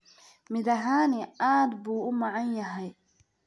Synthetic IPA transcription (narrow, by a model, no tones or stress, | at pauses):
mɪðɐɦaːnɪaːd̪buːʊmɑʕɑnjɐɦɛj